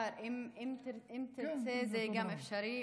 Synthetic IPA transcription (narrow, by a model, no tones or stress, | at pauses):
ɾʔimimɾimt̪iɾt͡sezɛɡamefʃaɾi